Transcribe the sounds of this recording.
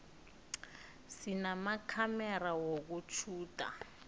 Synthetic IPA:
sinamakʰamɛrawok̬ut͡ʃʰuːtʼa̰

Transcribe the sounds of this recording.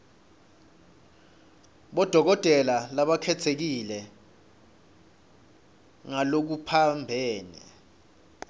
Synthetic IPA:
ɓɔd̥ʱɔk̬ɔtʼɛlalaɓakʰɛt͡sʰek̬ilɛ | ŋalok̬upʰambʱɛːnɛ̰

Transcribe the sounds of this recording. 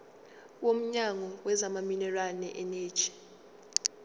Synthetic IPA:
wom̩ɲaŋɔwɛzamaminɛralnɛʔɛne̥ːt͡ʃi̥

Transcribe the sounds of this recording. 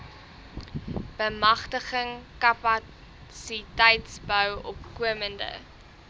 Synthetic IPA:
b̥əmɐχtəχəŋkɐpɐ | sitɛjtsbœwɔpkuəməndə̰

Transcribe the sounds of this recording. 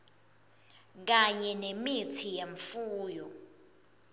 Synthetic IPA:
k̬aɲɛnemitʰijeɱfuːjɔ

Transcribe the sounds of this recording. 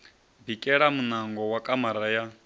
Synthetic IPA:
bikʼɛɺamunaŋɡɔwakʼamaɾaja

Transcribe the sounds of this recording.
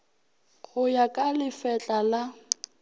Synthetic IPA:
ɣʊjakʼalɪfɛt͡ɬʼala

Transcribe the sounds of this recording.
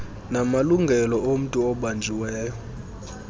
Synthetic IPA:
namaluŋɡʱɛlɔom̩tʼuɔɓand͡ʒʱiwɛːjɔ

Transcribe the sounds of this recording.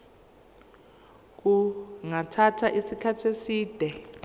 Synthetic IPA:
k̬uŋatʰatʰaʔisikʰatʰesiːd̥ʱɛ

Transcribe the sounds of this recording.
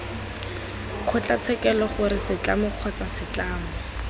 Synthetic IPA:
q͡χʰʊt͡ɬat͡sʰɛkɛlɔχʊɾɪsɪt͡ɬamʊq͡χʰɔt͡sasɪt͡ɬaːmʊ

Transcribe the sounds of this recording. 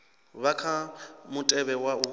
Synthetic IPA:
βakʰamʊtʼɛβɛwaʊ

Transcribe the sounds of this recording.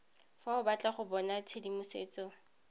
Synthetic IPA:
faʊbat͡ɬʼaχʊbɔnat͡sʰedimʊseːt͡sʼɔ

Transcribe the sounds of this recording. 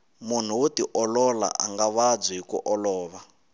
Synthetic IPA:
mun̤uwutiʔɔlɔla̰ʔa̰ŋɡaβad͡ziɦikṵʔɔlɔːβa

